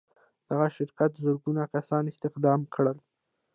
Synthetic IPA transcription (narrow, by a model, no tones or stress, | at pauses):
d̪̥aɣaʃɪɾkat̪zuɾɡunakasɑnɪst̪ɪxd̪ɑmkɽəl